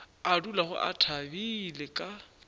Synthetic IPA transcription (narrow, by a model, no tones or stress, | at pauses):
adulaχʊ̰ʔa̰tʰabilekʼa